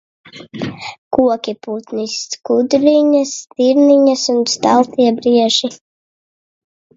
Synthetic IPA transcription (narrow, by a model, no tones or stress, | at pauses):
kuɔkʲiput̪niskud̪ɾiɲast̪iɾniɲasunst̪alˠt̪iɛbɾiɛʒi